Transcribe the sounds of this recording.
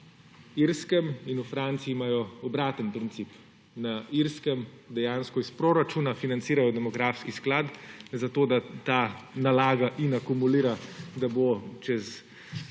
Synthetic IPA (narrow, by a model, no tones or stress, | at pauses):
iɾskɛminufɾaːnt̪siːmaːjɔɔbɾaːt̪ənpɾint̪siːp | naiɾskɛm | d̪ɛjaːnskɔispɾoːɾat͡ʃuːnafinantsiːɾajɔd̪ɛmɔɡɾaːfskisklaːt̪zat̪oːd̪at̪aːnalaːɡaʔinakumuliːɾad̪abot͡ʃɛz